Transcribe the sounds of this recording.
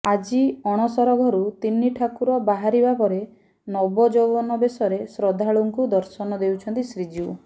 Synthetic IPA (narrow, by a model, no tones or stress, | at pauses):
ad͡ʒiɔɽ̃ɔsɔɾɔɡʱɔɾut̪inːiʈʰakuɾɔbaɦaɾibapɔɾe | nɔbɔd͡ʒowbɔnɔbesɔɾesɾɔd̪ʱaɭuŋkud̪ɔɾsɔnɔd̪ewt͡ʃʰɔnt̪isɾid͡ʒiu